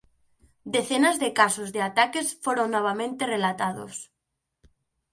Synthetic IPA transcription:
d̪eθenazðekasozðeat̪akesfoɾoŋnɔβ̞amẽnt̪erelat̪aðo̰s

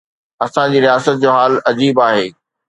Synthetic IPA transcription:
ɐsãd͡ʑiːɾijaːsət̪̚d͡ʑoːɦaːlɐd͡ʑiːbaːɦeː

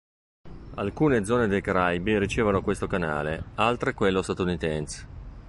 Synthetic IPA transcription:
a̰lkuːned̪zɔːned̪ejkaɾajbiɾit͡ʃeːvanokwest̪okana̰ːlealt̪ɾekwelːost̪at̪unit̪ɛns

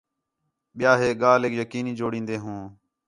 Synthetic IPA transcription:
ɓɪjaːɦeːɠaːleːkjəkiːnĩːd͡ʒoːɽĩːnd̪eːɦũː

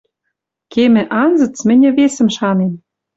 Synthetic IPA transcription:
kemɘ̆ʔɑnzɤ̆t͡smɘ̆nʲɘ̆βesə̆mʃɑnem

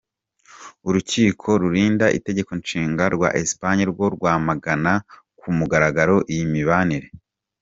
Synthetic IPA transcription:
uɾuciːkʰo̞ɾuɾiːndaʔḭte̞ɟe̞konʃiːŋɡaɾɡwa̰ʔespaɲiɾɡwo̞ɾɡwaːmaɡana | kumuɡaɾaɡaɾo̞ʔijimiβaniɾe

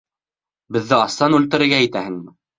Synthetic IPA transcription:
bɘ̆ðːɘɑsːɑnʉlt̪ɘ̆ɾɘ̆ɾɡæit̪æhɘŋmɘ

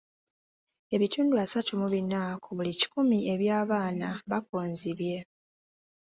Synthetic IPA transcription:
e̞βituːnduasatumuβinakʰuβulici̥kumie̞βjaːβaːnaβakoːnziβje̞

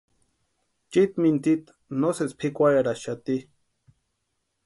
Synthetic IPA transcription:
t͡ʃit̪mint̪it̪ | noset͡spʰikʷajaɾaʃat̪i

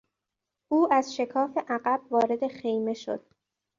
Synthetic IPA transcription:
ʔuːæz̥ʃe̞kʰɒːfeʔæɢæb̥vɒːɾe̞d̪e̞χejme̞ʃo̰d̪̥̚

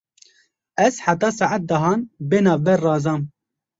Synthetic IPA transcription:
ɛz̥ħat̪ɑːsɑʕat̪̚d̪ɑɦɑːnbeːnɑːvbɛɾrɑːzɑːm

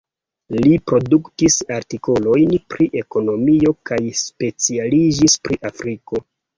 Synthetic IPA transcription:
lipɾo̞duktisaɾtiko̞lo̞jnpɾiʔe̞ko̞no̞mio̞kajspe̞t͡sialid͡ʒispɾiʔafɾiko̞

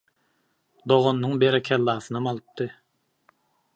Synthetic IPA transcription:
d̪oʁonːɯŋbeɾɛkʲʰælˠːɑːsɯnɑmɑlˠɯp̚t̪ɯ

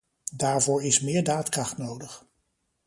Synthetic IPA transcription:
daːɹvʊːɹɪsmɪːɹdaːtkrɑχtnowdəχ

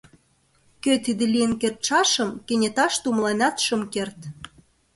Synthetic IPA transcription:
køt̪id̪elijə̆nkert̪ʃɑʃə̆mkenʲet̪ɑʃt̪umlɑnʲɑt̪ʃə̆mkert̪

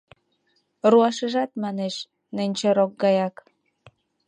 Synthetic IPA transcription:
ruɑʃəʒɑt̪mɑneʃ | nĕnʲt͡ɕeɾok̚ɡɑjɑk

